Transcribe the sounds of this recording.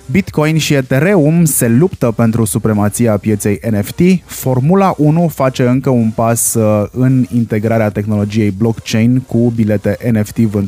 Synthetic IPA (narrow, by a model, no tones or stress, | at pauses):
bit̪kojnʃiet̪eɾe̞umse̞lupt̪əpe̞nt̪ɾusupɾe̞mat̪sieapje̞t̪se̞jeneft̪ifo̞rmulaʔunufat͡ʃe̞ɨŋkəunpasɨnint̪e̞ɡɾaɾeat̪e̞xno̞lo̞d͡ʒije̞jblo̞kt͡ʃe̞jnkubile̞t̪e̞ʔeneft̪ivɨn